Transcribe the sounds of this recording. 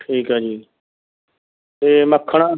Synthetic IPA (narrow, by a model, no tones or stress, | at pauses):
ʈʰiːkɦad͡ʒiː | t̪eːməkʰːəɽ̃a